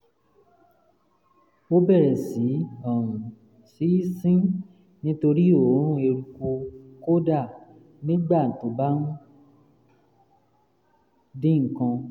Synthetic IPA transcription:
o˦bɛ˦˨ɾɛ˨si˨˦ɔ˨ɾũ˨ | si˨˦sĩ˦ | nĩ˦to˧ɾi˦o˨˦ɾ̃ũ˦e˧ɾu˧ko˧ko˦da˦˨ | nĩ˦ɡ͡ba˦˨n̩˨to˨˦ba˦n̩˦ | dĩ˦ŋ̩˦˨kã˧

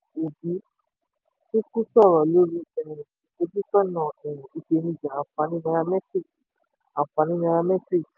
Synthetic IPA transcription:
o˨bi˨˦ | ti˦ku˦sɔ˦˨ɾɔ˨lo˨˦ɾĩ˧ɛ˨ɛ̃˨ĩ˨tĩ˨o˧˦di˦sɔ˦nã˦˨ɛ˨ɾ̃ũ˨i˧ʃe˧nĩ˧d͡ʒã˨a˧˨fa˧nĩ˦nã˧ɾa˧mɛ˦tɾi˦˨k | ã˨fa˧nĩ˦nã˧ɾa˧mɛ˦tɾi˦˨k

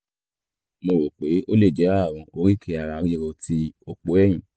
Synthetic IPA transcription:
mo˧˨ɾo˨k͡pe˨˦o˦le˦˨d͡ʒɛ˨˦a˦˨w̃ɔ̃˧o˧ɾi˦kʰi˧a˧ɾa˧ɾi˦ɾo˧ti˧o˦k͡po˨˦ɛ˦˨j̃ĩ˨

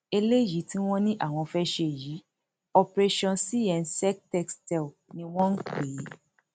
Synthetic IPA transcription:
e˧le˦ji˨˦ti˦w̃ɔ̃˦nĩ˦ʔa˦˨w̃ɔ̃˧fɛ˦ʃe˨ji˨˦ | ɔ˧pɾe˦ʃɔ̃˧si˦jɛ˨˧n̩˦sɛ˦k̚tɛ˦kstɛ˦˨nĩ˧w̃ɔ̃˦n̩˦k͡peː˨˦

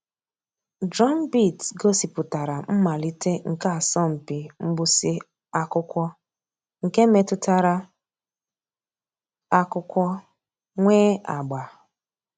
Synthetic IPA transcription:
d͡ʒɔ˦m˦bi˦˨tɡo˦si˨pʊ˨ta˨ɾa˨m̩˦ma˨li˦te˦ŋ̩˨ka˦a˨sɔ˦m̩˨pi˨m̩˦ɡ͡bʊ˦si˦ | a˦kʊ˦kʷɔ˦ | ŋ̩˨ke˦me˨tʊ˦ta˨ɾa˦ | a˦kʊ˦kʷɔ˦ | ŋʷeː˦a˨ɡ͡ba˨

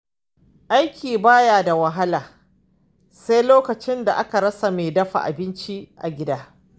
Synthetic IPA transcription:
ʔa˦jkʲʰiː˨baː˦jaː˨da˨wɐ˨ɦa˦laː˨ | sa˦jloː˦kɐ˨t͡ʃɪ˦nda˨ʔa˦ka˨ɾɐ˦sa˨meː˨dɐ˦ɸa̰˨ʔa̰˨bɪ˦nt͡ʃi˦ʔa̰˨ɡʲɪ˦daː˦

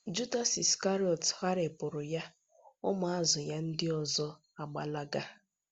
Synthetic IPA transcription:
d͡ʒu˦da˦si˨ska˦ɾi˦ɔ˨tha˦ɾe˨pʊ˨ɾʊ˨ja˦ | ʊ˦mʊ˨a˦zʊ˨ja˦n̩˦dɪ˦ɔ˨zɔ˦ | a˨ɡ͡ba˨la˦ɡa˦

